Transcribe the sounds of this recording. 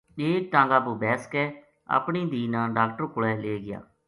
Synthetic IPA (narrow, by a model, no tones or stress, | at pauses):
eːk̚ʈãːŋɡaːpuːbɛːsə̥kɛː | ə̰pɳiːd̪iːnãːɖaːkʈəɾkʊɭɛːleːɡɪja̰ː